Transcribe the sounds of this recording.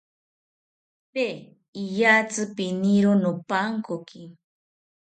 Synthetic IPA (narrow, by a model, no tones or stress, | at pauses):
pe | ijat͡sɨpiniɾonopaŋkoki